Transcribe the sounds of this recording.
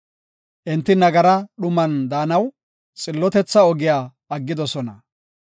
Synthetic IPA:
ʔɛnt̪ːɪnɐɡɐɾɐɗʊmɐnd̪aːnɐw | t͡sʼɪlːɔt̪ɛt͡sːɐɔɡɪjaː | ɐɡːɪd̪ɔsɔnɐ

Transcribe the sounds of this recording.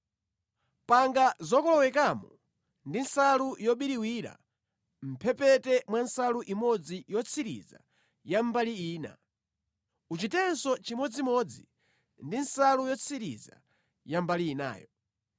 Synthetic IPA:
paŋɡazɔkɔlɔwɛkamɔ | ndinsalujɔɓiɾiwiɾa̰ | m̩pʰɛpɛtɛmwansaluʔimɔd͡zijɔt͡sʰiɾḭza̰ | jambaliiːna̰ | ut͡ʃitɛnsɔt͡ʃimɔd͡zimɔːd͡zi | ndinsalujɔt͡sʰiɾḭza̰ | jambaliːna̰ːjɔ

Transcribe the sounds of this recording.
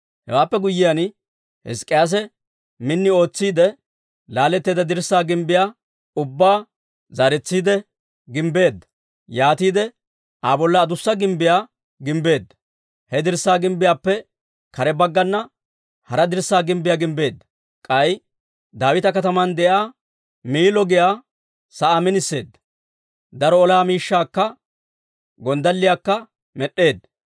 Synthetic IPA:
hɛ̰waːpːɛɡʊjːɪjɐn | hɛ̰skʼːɪjaːs̬ɛ | mɪnːɪo̞ːt͡sːiːd̪ɛ | laːlːɛt̪ːeːd̪ɐd̪ɪɾsːaːɡɪmbɪjaː | ʊbːaː | zaːɾɛt͡sːiːd̪ɛ | ɡɪmbe̞ːd̪ːɐ̥ | jaːt̪iːd̪ɛ | ʔaːbɔlːɐːd̪ʊsːɐɡɪmbɪjaː | ɡɪmbe̞ːd̪ːɐ̥ | hɛd̪ɪɾsːaːɡɪmbɪjaːpːɛ | kɐɾɛbɐɡːɐnːɐ | hɐɾɐd̪ɪɾsːaːɡɪmbɪjaːɡɪmbe̞ːd̪ːɐ̥ | kʼɐj | d̪aːwɪt̪ɐkɐt̪ɐmɐnd̪ɛʔaː | miːlɔɡɪjaː | sɐamɪnɪsːe̞ːd̪ːɐ̥ | d̪ɐɾɔɔlaːmiːʃːaːkːɐ | ɡɔnd̪ɐlːɪjaːkːɐ | mɛɗːe̞ːd̪ːɐ

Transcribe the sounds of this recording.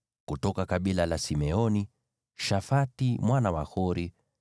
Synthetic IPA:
kutɔkakaɓilalasimɛɔni | ʃafatimwanawahɔɾi

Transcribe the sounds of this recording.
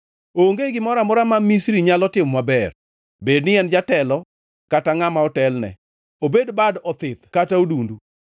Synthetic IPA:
oŋɡeɡɪmɔɾamʊɾamamisɾiɲalɔtɪmwabɛr | bednɪɛnd͡ʒatɛlɔ | kataŋamaɔtɛlnɛ̰ | obedbadɔt̪ɪt̪kataodundu

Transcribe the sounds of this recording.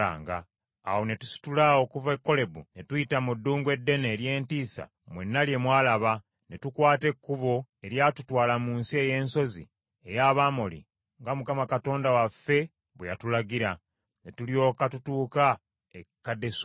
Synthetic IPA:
a̰ːŋɡa̰ː | wo̞ne̞tu̥si̥tulaokuvekːo̞le̞bune̞tujitamudːuːŋɡwe̞dːe̞neːɾje̞ːntiːsa̰ | mwe̞̰nːalje̞mwaːlaβa | ne̞tukwaːte̞kːuβo̞e̞ɾjatutwaːlamuːnsie̞je̞ːnso̞zḭ | e̞jaβaːmolḭ | ŋɡamukamakato̞ːndawafe̞ | βwejatulaɡiɾa | ne̞tulijo̞ːkatutuːka | ekːade̞s

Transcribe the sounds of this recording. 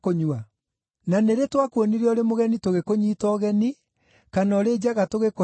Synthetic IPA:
koɲua | naneɾetwakwɔniɾeɔɾemoɣɛnitoɣekoɲitɔɣɛni | kanɔɾed͡ʑaɣatoɣeko

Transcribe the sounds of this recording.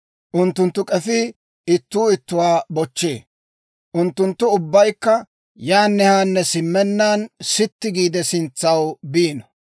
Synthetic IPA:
ʔʊnt̪ːʊnt̪ːʊkʼɛfɪ | ɪt̪ːuːɪt̪ːʊwaːbɔt͡ʃːḛː | ʔʊnt̪ːʊnt̪ːʊʊbːɐjkːɐ | jaːnːɛhaːnːɛsɪmːɛnːaːnsɪt̪ːɪɡiːd̪ɛsɪnt͡sːɐwbiːnɔ

